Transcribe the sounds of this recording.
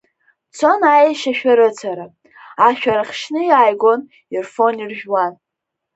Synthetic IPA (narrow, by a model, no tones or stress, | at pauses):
t͡sʰo̞najaʃaʃᶣaɾɨt͡sʰaɾa | aʃᶣaɾaχʲʃnɨjaːjɡo̞n | irfo̞nirʒᶣwan